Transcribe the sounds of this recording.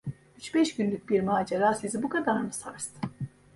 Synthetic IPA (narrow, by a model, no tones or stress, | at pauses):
yt͡ʃbɛʃɟynlʲyc̚ʲbiɾmaːd͡ʒeɾaːsizibukʰad̪aɾnɯsaɾst̪ʰɯ̥